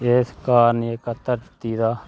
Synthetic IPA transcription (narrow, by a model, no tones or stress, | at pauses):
eːskaːɾniekat̪əɾt̪iːd̪aː